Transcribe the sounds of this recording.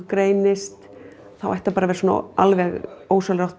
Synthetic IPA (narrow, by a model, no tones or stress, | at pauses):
kɾeːjnɪst̪ | θawajht̪apaːɾavɛɾsoːna̰ʔa̰lvɛɣoːwsalɾawht̪